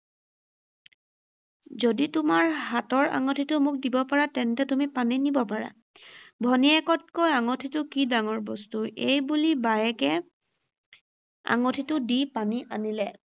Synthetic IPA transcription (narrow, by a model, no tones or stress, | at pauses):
zoditʊmaɹhatɔɹa̰ŋotʰitʊmʊk̚dibɔpaɹatɛntɛtumipaninibɔpaɹa̰ | bʱɔniɛkɔt̚kojaŋotʰitʊkidaŋɔɹbɔstuejbulibajɛkɛ | a̰ŋotʰitʊdipaniʔa̰nilɛ